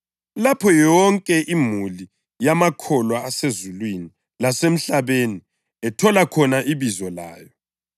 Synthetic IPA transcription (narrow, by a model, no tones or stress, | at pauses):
lapʰɔjɔŋkʼɛʔimuli | jamakʰɔlwaːsezulwini | lasem̩ɬaβeːni | ɛtʰɔlakʰɔnaʔiβizɔla̰ːjɔ